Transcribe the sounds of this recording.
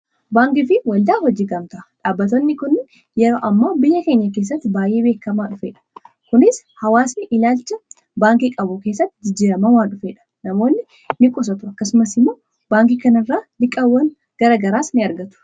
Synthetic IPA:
baːŋkɪfɪwɐld̪aːhɔd͡ʒiːɡɐmt̪ɐʔɐᶑaːbːɐt̪onːɪkʊnːɪ | jɛɾo̞ːʔɐmːaːbɪjːɐke̞ːɲːɐk̬eːs̬ːɐt̪ːɪbaːjʔe̞ːbe̞ːkːɐmaːᶑʊfeːᶑɐ̥ | kʊnɪs | hɐwaːsnɪʔɪlaːlt͡ʃːɐ | baːŋkikʼɐbʊke̞ːsːɐt̪ːɪd͡ʒɪd͡ʒːiːɾɐmɐmaːᶑʊfeːᶑɐ̥nɐmo̞ːnːɪ | nɪkʼʊs̬ɐt̪ʊɐkːɐsʊmɐsɪmːoː | baːŋk̬ikɐnɐrːaːlɪkʼːɐwːɐŋ | ɡ̥ɐɾɐɡɐɾaːsnɪɐɾɡɐt̪ʊ̥

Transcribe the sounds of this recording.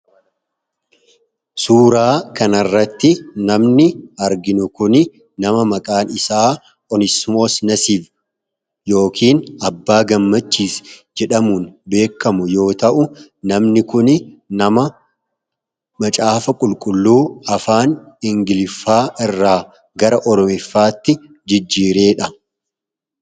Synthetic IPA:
suːɾaːkɐnɐrːɐt̪ːɪnɐmnɪɐɾɡɪnʊkʊn | nɐmɐmɐkʼaːnɪsaː | ʔɔnɪsmoːsnɐsiːf | jo̞ːkʰiːnɐbːaːɡɐmːɐt͡ʃːiːsd͡ʒɛᶑɐmuːnbe̞ːkːɐmʊjo̞ːt̪ɐʔʊnɐmnɪkʊnɪnɐmɐ | mɐt͡ʃʼaːfɐkʼʊlkʼʊlːuːɐfaːnɪŋɡɪlɪfːaːʔɪrːaː | ɡɐɾɐʔɔɾɔmɪfːaːt̪ːɪ | d͡ʒɪd͡ʒːiːɾe̞ːᶑɐ

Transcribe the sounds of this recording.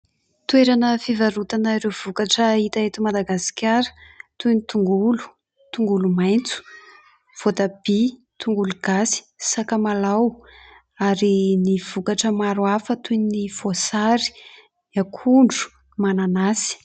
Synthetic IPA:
t̪weɾanəfivaɾut̪anaiɾewv̥ukaʈ͡ʂəit̪aet̪umad̪aɡasi̥kʲaɾə̥t̪ujnit̪uŋɡulu̥ | t̪uŋɡulumajnt͡su̥ | v̥ot̪ab̥i | t̪uŋɡuluɡ̥asi̥sakamalaw | aɾiniv̥ukaʈ͡ʂəmaɾuafət̪ujnnifosaɾi̥ | akʰuɳɖ͡ʐu̥ | mananasi̥

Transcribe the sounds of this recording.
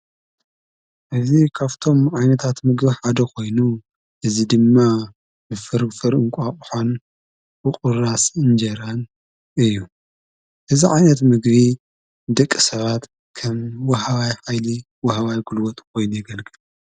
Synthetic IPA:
ʔɨzikʰaβt̪ʰo̞mʕajnɐt̪ʰat̪mɨɡbiħad̪ɐkʰo̞jnu | ʔɨzid̪ɨmːa | bɨfɨɾfɨɾɨŋkʷʼaχʼħon | bɨqʼʊɾasɨnd͡ʒɐɾan | ʔɨjːu | ʔɨziʕajnɐt̪mɨɡβi | d̪ɐkʼːisɐβat̪ | kʰɐmwɐɦaβajħajli | wɐhaβajɡulwɔt̪ʼkʰo̞jnujɪɡɐlkʼɨlu

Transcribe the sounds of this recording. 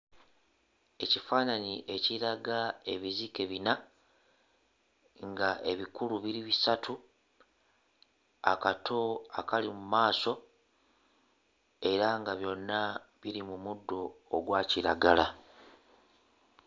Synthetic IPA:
e̞cifaːnaniʔe̞ciɾaɡae̞βizike̞βina | ŋɡaʔe̞βikuluβiɾiβisatʰu | a̰katʰo̞a̰kalimumaːso̞ | e̞ɾaŋɡaβjo̞nːaβiɾimumudːo̞ːɡwaːciɾaɡala

